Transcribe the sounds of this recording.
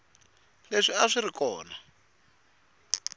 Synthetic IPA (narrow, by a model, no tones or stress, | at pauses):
leʂiaʂirikɔːna